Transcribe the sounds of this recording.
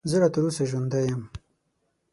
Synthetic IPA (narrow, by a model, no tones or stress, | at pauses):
zəlat̪əɾusaʒwand̪ajəm